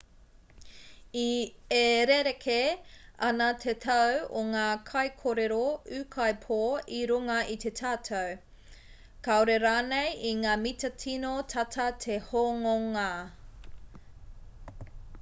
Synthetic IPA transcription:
ieɾeɾekʰeɐnɐt̪ʰet̪ʰɐwo̰ŋaːkʰɐjkʰoɾeɾoʉːkʰɐjpʰoːiɾuŋɐit̪ʰe̞tʰaːtʰow | kaoɾeɾaːnejiŋaːmit̪ɐtʰinotʰɐtʰɐt̪ʰehoŋoŋa

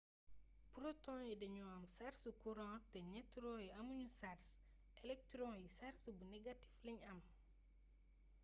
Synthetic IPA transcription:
puɾotɔ̃ːjidɐɲuɐmsaɾsukuɾɔ̃ːtɛɲɛtːɾɔ̃ːjiɐmuɲusars | ɛlɛk̚tɾɔ̃jisaɾsubunɛɡati̥fliɲɐm

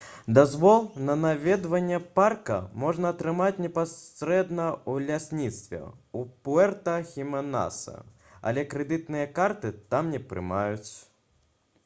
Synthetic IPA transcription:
d̪azvɔlˠnɐnavʲɛd̪vɐnʲːɛparkɐ̰mɔʐnɐːt̪ɾɨmat͡sʲnʲɛpasɾɛd̪nɐwlʲasʲnʲit̪st̪vʲɛ̰upuɛrt̪ɐxʲimɐna̰sɐ̰ | ɐ̰lʲɛkɾɛd̪ɨt̪nɨjɐkart̪ɨt̪amnʲɛpɾɨ̰majut͡sʲ

